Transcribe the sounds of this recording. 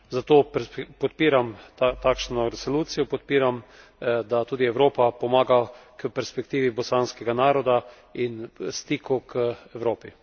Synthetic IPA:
zat̪oːpɔt̪piːɾamt̪akʃnɔɾɛsoluːt̪sijɔpɔt̪piːɾam | d̪at̪uːd̪iɛwɾoːpapɔmaːɡakəpɛɾspɛk̚t̪iːʋibɔsaːnskɛɡanaːɾɔd̪a | inst̪iːkukʰəɛwɾoːpi

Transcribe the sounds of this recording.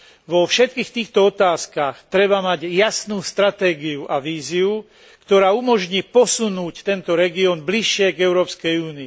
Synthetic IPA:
ʋɔfʃɛt̪̚kiːxt̪iːxt̪ɔɔt̪aːskaxt̪ɾɛbamaɟjasnuːst̪ɾat̪ɛːɡiuʔaʋiːziu | kt̪ɔɾaːumɔʒɲiːpɔsunuːct̪ɛnt̪ɔɾɛɡiɔːnbliʃːɪɛɡɛʊɾɔːpskɛjuːniː

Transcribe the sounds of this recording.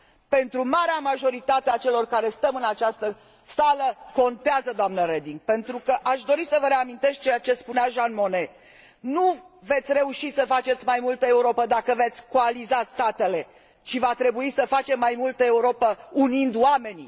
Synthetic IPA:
pe̞nt̪ɾumaɾeamaʒo̞ɾit̪at̪eat͡ʃe̞lo̞rkaɾe̞st̪əmɨnat͡ʃast̪ə | saləko̞nt̪eazəd̪oamnəɾe̞d̪iŋɡ̚pe̞nt̪ɾukəʔaʃd̪o̞ɾisəvəɾe̞amint̪e̞sk̚t͡ʃejat͡ʃe̞spuneaʒanmo̞ne̞ | nu | ve̞t̪sʲre̞uʃisəfat͡ʃet̪sʲmajmult̪əe̞uɾo̞pəd̪akəve̞t̪sʲkoalizast̪at̪e̞le̞ | t͡ʃivat̪ɾe̞buisəfat͡ʃe̞mːajmult̪əe̞uɾo̞pəunind̪wame̞ni

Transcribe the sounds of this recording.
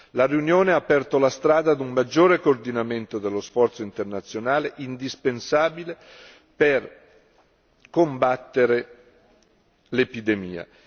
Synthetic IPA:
lariunjoːneaːpːɛrt̪olast̪ɾaːd̪ad̪ummad͡ʒːoːɾekoːrd̪inament̪od̪elːosfɔrt̪soint̪ernat̪sːjonaːleʔind̪ispensaːbile | per | kombat̪ːeɾe | lepid̪emḭːa̰

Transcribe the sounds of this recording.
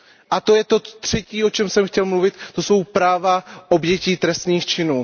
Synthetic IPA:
ʔat̪o̞jɛt̪o̞t̪r̝̥ɛciːʔo̞t͡ʃɛmsɛmxcɛlmluvɪt̪t̪o̞so̞wpɾaːvaʔo̞bjɛciːt̪ɾɛst̪niːxt͡ʃɪnuː

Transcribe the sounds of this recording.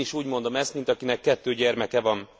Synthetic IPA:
iʃuːɟmo̞nd̪o̞mɛst̪mint̪ɒkinɛkːɛt̪ːøːɟɛrmɛkɛvɒn

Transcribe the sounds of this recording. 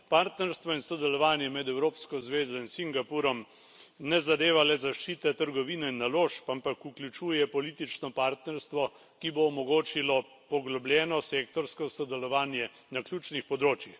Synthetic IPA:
paːɾt̪nɛɾst̪ʋɔinsɔd̪ɛlɔʋaːnjɛmɛd̪ɛwɾoːpskɔzʋeːzɔinsiŋɡapuːɾɔm | nɛzad̪eːʋalɛzaʃt͡ʃiːt̪ɛt̪əɾɡɔʋiːnɛinːaloːʃpampakuklʲut͡ʃuːjɛpɔliːt̪it͡ʃnɔpaːɾt̪nɛɾst̪ʋɔ | kiboːmɔɡoːt͡ʃilɔ | pɔɡlɔblʲjɛːnɔseːkt̪ɔɾskɔsɔd̪ɛlɔʋaːnjɛ | naklʲjuːt͡ʃnixpɔd̪ɾoːt͡ʃjix

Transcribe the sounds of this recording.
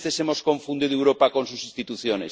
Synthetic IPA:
θesemoskoɱfund̪eðewɾopakonsusĩnst̪it̪uθjone

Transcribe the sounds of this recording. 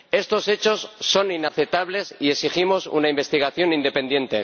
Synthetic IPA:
e̞st̪o̞se̞t͡ʃo̞sːo̞ninaθet̪aβ̞le̞sie̞ksiximo̞sṵnaimbe̞st̪iɣ̞aθjo̞nind̪e̞pe̞nje̞nt̪ḛ

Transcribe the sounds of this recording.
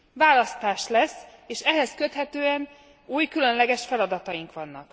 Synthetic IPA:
vaːlɒst̪aːʃlɛseːʃɛɦɛskø̞t̪hɛt̪øːɛn | uːjkylø̞nlɛɡɛʃfɛlɒd̪ɒt̪ɒjiŋkʋɒnːɒ̰k

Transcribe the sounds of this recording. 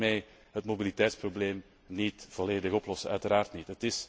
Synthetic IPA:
mɛːj | ɦətmobilitɛjtsprobleːm | nitv̥oleːdəɣɔplɔsəœ̰ɥtəɾaːrtnitɦətɪs

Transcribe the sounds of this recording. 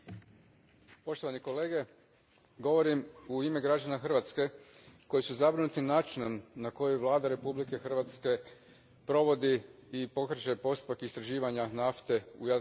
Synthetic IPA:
po̞ʃt̪o̞ʋaniko̞leːɡe̞ | ɡo̞ʋo̞ɾimuime̞ɡɾad͡ʑanaxr̩ʋat̪ske̞ko̞jisuzabɾinut̪inaːt͡ʃinomnako̞jujʋlˠaːd̪aɾe̞publike̞xrʋat̪ske̞ | pɾo̞ʋo̞d̪iipo̞krɾt͡ʃepo̞st̪u̥pakist̪ɾaʒiːʋaɲanaft̪e̞ṵja

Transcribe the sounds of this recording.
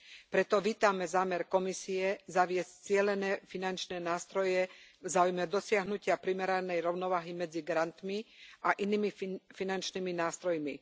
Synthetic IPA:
pɾɛt̪ɔʋiːt̪amɛzaːmɛɾkɔmisiɛzaʋɪɛsc̚t͡sɪɛlɛnɛːfinant͡ʃnɛːnaːst̪ɾɔjɛvzaːujmɛd̪ɔsɪaɦnucɪapɾimɛɾanɛjɾɔʊnɔʋaːɦimɛd͡ziɡɾant̪miaʔiniːmifinant͡ʃniminaːst̪ɾɔjmi

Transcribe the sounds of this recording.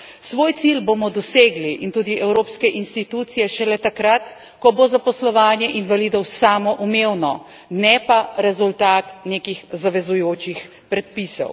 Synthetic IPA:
sʋoːjt̪silboːmɔd̪ɔseːɡliʔint̪uːd̪iʔɛwɾoːpskɛʔinst̪it̪uːt̪sijɛʃɛlɛt̪akɾat̪ | kɔbozapɔslɔʋaːnjɛʔinʋalid̪ɔwsaːmɔʔumewnɔ | nɛpaɾɛzult̪aːt̪neːkixzaʋɛzujoːt͡ʃix | pɾɛt̪̚pisɔ̰w

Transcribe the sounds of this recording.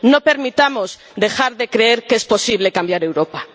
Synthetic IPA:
no̞pe̞ɾmit̪amo̞z | d̪e̞xaɾðe̞kɾe̞eɾkespo̞siβ̞le̞kambjaɾe̞wɾo̞pa

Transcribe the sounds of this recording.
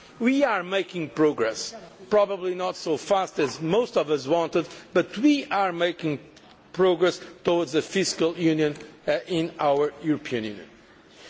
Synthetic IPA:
wiaɹmeɪkɪ̃ŋpɹoɡɹɛspɹɔbəblinɔt̪soʊfast̪ɨzmoʊstɔvʌzwɑ̃ntɨd̪bʌt̪wiaɹmejkɪ̃ŋ | pɹoɡɹɛst̪ɔwdzðɨfɪskəlˠjʉnjɨ̃nɪ̃nawə˞juɹɔpʰiɨ̃njʉ̰njɨ̰̃n

